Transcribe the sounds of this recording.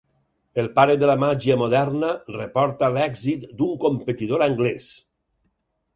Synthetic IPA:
elˠpaɾeðəlamaʒiəmoðɛɾnərepɔɾt̪alɛɡzit̪d̪uŋkompet̪iðoɾaŋɡlɛs

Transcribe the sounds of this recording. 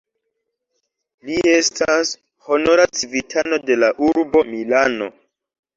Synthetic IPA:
lie̞stas | ho̞no̞ɾat͡sivitʰano̞de̞laʔuɾbo̞milano̞̰

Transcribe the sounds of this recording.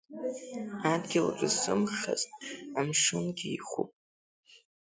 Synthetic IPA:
adɡʲɪlaʈ͡ʂʼɨsɨmχa̰zʼtʼamʂɨnɡʲiiχupʼ

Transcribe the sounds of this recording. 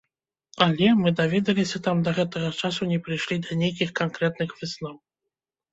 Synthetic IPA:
alʲɛmɨd̪avʲɛd̪ɐlʲisʲɐt̪amd̪ɐɣɛt̪ɐɣɐt͡ʂasunʲɛpɾɨjʂlʲid̪ɐnʲejk̬ʲixkankɾɛt̪nɨxvɨsnɔw

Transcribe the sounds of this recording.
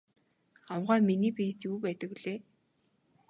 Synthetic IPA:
amʁæːminiːpit̪juːpæːt̪ə̆kwɮeː

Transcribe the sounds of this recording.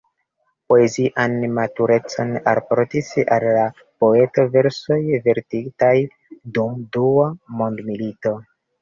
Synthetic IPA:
po̞e̞ziʔanmatuɾe̞t͡so̞naɾpoɾtisalːa | po̞e̞to̞ve̞ɾso̞jve̞ɾtiɡtaj | dumduamo̞ndmilito̞

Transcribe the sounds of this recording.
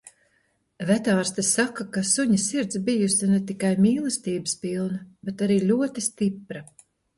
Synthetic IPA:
væt̪aːɾst̪esakakasuɲɐsiɾt̪sbijusɐnet̪ikajmiːlˠɨst̪iːbɨspilˠnɐbet̪aɾiːlʲuɔt̪ist̪ipɾɐ

